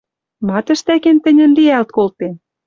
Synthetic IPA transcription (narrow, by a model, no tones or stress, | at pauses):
mɑt̪ə̆ʃt̪ækent̪ə̆nʲə̆nliælt̪̚kolt̪en